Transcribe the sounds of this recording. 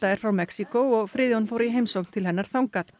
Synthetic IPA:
t̪aɛɾ̥fɾawmɛksikowɔɣfɾɪːðjɔnfoːwɾiɦeːjmsowknt̪ʰɪlhɦɛnːaɾ̥θawŋkaθ

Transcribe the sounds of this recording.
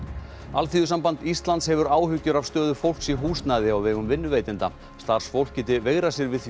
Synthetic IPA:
alθiːðʏs̬ampant̪ist̪lant̪shɛvʏɾaːwɦʏcːʏɾavst̪œːðʏfowl̥ksiɦuːst̪naðɪawvɛːɣʏmvɪnːʏveːjt̪ɪnt̪a̰ | st̪ar̥sfowl̥cɪt̪ɪveːɣɾasjɛɾvɪðθ

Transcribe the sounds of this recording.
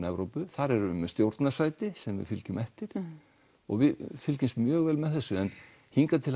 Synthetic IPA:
nɛvɾowpʏθaɾɛɾʏʏmst̪jowɾt̪nasaːjt̪ɪsɛmvɪ̰fɪlcʏmʔɛft̪ɪɾ̥ | ɔ̰ɣvɪfɪlcɪmst̪mjœːɣvɛːlmɛðθɛsːʏɛn | hiŋkat̪ʰɪl

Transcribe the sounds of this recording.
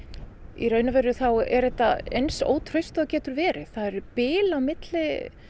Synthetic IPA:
ḭrœɥnavɛɾʏθawɛ̰ɾðɛht̪ːaejnso̰ːwt̪ʰɾœɥst̪aðcɛːt̪ʏɾvɛːɾɪθaðɛɾpɪːlawmɪt̪lɪ

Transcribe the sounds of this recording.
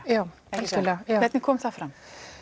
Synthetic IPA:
jaːw | ɛskɪlɛajavɛt̪nɪkʰɔːmθafɾam

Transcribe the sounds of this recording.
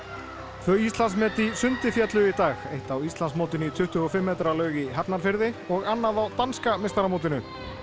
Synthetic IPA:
t̪vœːɥist̪lansmɛːt̪isʏnt̪ɪfjat̪lʏit̪aːɣejht̪awist̪ansmowt̪ɪnit̪ʰʏht̪ʏɔfɪmːɛːt̪ɾalœːɥɣiɦapnaɾ̥fɪɾðɪɔɣanːaðawt̪anskamɪst̪aɾamowt̪ɪnʏ

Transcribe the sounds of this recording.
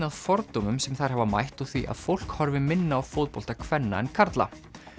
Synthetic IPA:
aðfɔɾt̪omʏmsɛmθḁɦɛvama̰jht̪uθviʔa̰ðfowl̥khɔɾvɪmɪnːaːwfowt̪̚powl̥t̪akʰvɛnːa̰ɛnkʰaɾt̪la̰

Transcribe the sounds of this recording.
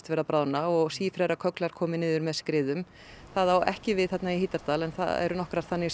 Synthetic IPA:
t̪vɛːɾapɾaːwnaɔɣsiːfɾɛjɾakʰœklaɾ̥kʰɔːmɪnɪːðʏɾmɛðskɾɪːðʏm | θaðawɛ̰hcɪvɪðθɛt̪naiɦiːt̪aɾ̥t̪aːlɛnθa̰ðɛ̰ɾʏnɔhkɾaɾt̪θanːɪ

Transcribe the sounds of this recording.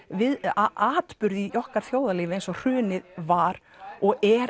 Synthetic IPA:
vɪðaaːt̪pʏɾðɪjɔhkaɾ̥θjoːwðaliːvẽnsɔr̥ʏːnɪðvaɾ | ɔɣɛɾ

